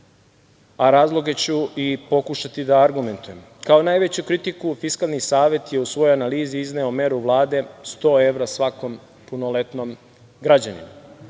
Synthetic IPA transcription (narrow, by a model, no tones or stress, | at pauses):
aɾaːzlˠo̞ɡe̞t͡ɕuipo̞kuʃat̪id̪aːɾɡume̞nt̪uje̞m | kaonaːjʋe̞t͡ɕukɾit̪ikufiskalˠnisaːʋje̞t̪jeusʋo̞joanaliːziizneo̞me̞ɾuʋlˠaːd̪e̞st̪o̞ːe̞ʋɾasʋako̞m | puno̞le̞t̪no̞m | ɡɾad͡ʑanḭma